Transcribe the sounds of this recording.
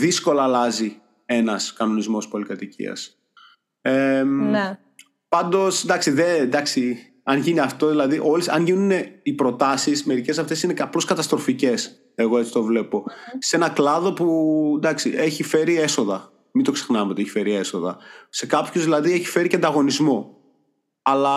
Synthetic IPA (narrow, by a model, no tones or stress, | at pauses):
ðisko̞lɐːlɐzi | e̞nɐskɐno̞nizmo̞spolikɐt̪icḭɐ̰s | en | pɐnd̪o̞snd̪ɐksiðend̪ɐksi | ɐnʝiniɐft̪o̞ðilɐðiʔo̞lisɐnʝinuune̞ipɾo̞t̪ɐsisme̞ɾice̞sɐft̪e̞sineɐplo̞skɐt̪ɐst̪ɾo̞fice̞s | e̞ɣo̞e̞t͡si̥t̪o̞vle̞po̞se̞nɐklɐðo̞pund̪ɐksḭʔe̞çife̞ɾie̞so̞ðɐ | mind̪o̞ksexnɐvt̪eeçi̥fe̞ɾie̞so̞ðɐ̰se̞kɐpçozðilɐðieçi̥fe̞ɾicɐnd̪ɐɣo̞nizmo̞ | ɐlɐ